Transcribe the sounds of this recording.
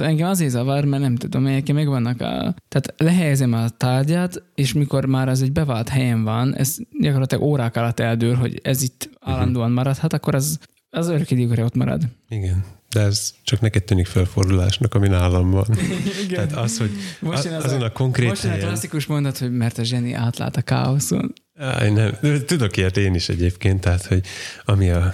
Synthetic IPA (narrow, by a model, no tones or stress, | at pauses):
ɛŋɡɛmɒzeːzɑvɒrmɛrnɛmt̪ud̪omɛjɛkɛmɛɡvɒnːɒkɒ̰t̪ɛːt̪lɛɦɛjɛzɛmɒt̪aːrdaːt̪eːʃmiko̞rmaːɾɛzɛɟbɛvaːlt̪hɛjɛɱvɒnɛ̰zɟɒko̞rlɒt̪lɒ̰ɡoːɾaːkɒlɒt̪ːɛld̪øːlɦo̰ɟɛ̰zit̪ːaːlːɒnd̪oːɒnmɒɾɒt̪hɒt̪ɒkːo̞ɾɛz | ɛzøɾøkid̪ekoɾɛo̞t̪mɒ̰ɾɒ̰d̪iɡɛnd̪ɛɛzt͡ʃɒknɛkɛt̪t̪ːyːnikfølfo̞rd̪ulaːʃnɒkɒminaːlːɒmbɒnitɡaːt̪ɒsho̞ɟmoʃt̪eːnɒzonɒko̞ŋkremːot̪eɛnjklɒsːikuʃmo̞nd̪ɒt̪ho̞ɟmɛrt̪ɒʒɛnḭʔa̰ːt̪la̰ːlt̪ɒka̰ːo̞so̰n | a̰jnɛmt̪ud̪o̞kert̪eːniʃɛ̰ɟeːpkeːnt̪ːɛɦat̪ho̞ɟɒmiɒ